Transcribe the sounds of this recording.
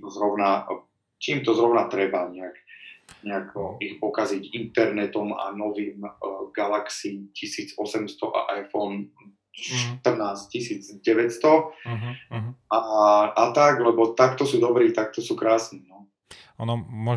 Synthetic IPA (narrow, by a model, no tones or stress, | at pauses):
zɾɔʊna | t͡ʃiːmt̪ɔzɾɔʊnat̪ɾɛbaɲɛaɡɲɛakɔʔixpɔkaziɟint̪ɛɾnɛt̪ɔma̰nɔʋiːmɡalaksiːcʰisiːd͡zɔsɛmst̪ɔʔa̰ʔajfɔn | ʃt̪r̩naːsccisiːd͡zɟɛʋɛcst̪ɔ | aat̪aɡlɛbɔt̪ak̚t̪ɔsuːd̪ɔbɾiːt̪ak̚t̪ɔsuːkɾaːsninɔ | ɔnɔmɔ